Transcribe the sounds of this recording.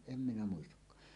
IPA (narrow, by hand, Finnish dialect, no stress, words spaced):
em minæ muistɑkːɑː